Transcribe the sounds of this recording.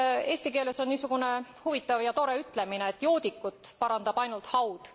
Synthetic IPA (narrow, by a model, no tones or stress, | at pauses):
e̞ːsʲt̪ike̞ːleso̞nnːiːsuɡ̥une̞huvit̪ːˑɑvjɑt̪o̞ɾe̞yt̪ːˑle̞mineːt̪ːˑjo̞ːd̪ikːˑut̪ˑpɑɾɑnd̪̥ɑb̥ɑjnult̪hɑwd̪̥